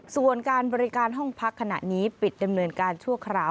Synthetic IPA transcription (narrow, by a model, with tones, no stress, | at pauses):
su˨˩ənkaː˧nbɔː˧ɾi˦kaː˧nɦɔ˥˩ŋpʰa˦˥kʰːa˧na̰˨˩ʔniː˦˥pi˨˩t̪̚da˧mnɤː˧nkaː˧nt͡ɕʰu˥˩əkʰɾaː˧˩w